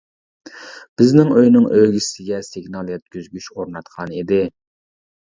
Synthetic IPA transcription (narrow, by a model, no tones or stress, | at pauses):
b̥ɪznɪŋøjnɪŋʔøɡʲisɪɡʲɛsɪɡnɑlˠjɛt̪̚kʲyzɡʲyʃoɾnɑt̪qʰɑnid̪ɪ